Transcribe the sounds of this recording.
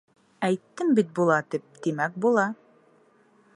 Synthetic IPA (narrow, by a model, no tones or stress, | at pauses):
æjt̪ːɘmbit̪̚bulˠɑt̪ip̚d̪imæk̚bulˠɑ